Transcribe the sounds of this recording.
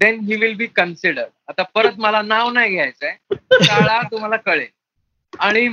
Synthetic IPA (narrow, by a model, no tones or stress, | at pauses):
d̪ɛnɦiːʋilbiːkənsiɽəɾɖat̪afəɾət̪məlanaʋnajɡʱeajt͡sːekaɭaɾt̪um̤alakəɭe | aɽ̃i